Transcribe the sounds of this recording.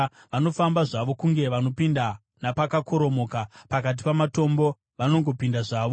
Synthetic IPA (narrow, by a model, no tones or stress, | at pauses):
ʋano̞fambaʐaʋo̞kuŋɡe̞ʋano̞pinda | napakako̞ɾo̞mo̞ːkapakat̬i̥pamato̞mbo̞ | ʋano̞ŋɡo̞pindaʐaːʋo